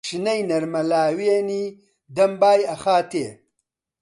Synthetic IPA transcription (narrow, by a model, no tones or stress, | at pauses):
ʂinɐjnɐɾmɐlaːweːni | d̪ɐmbaːjɐxaːt̪ḛː